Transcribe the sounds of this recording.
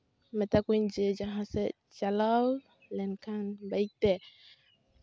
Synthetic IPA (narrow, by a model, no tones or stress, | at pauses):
mɛt̪akuind͡ʒed͡ʒaɦãsɛ | t͡ʃalaw | lɛnkanbaik̚t̪ɛ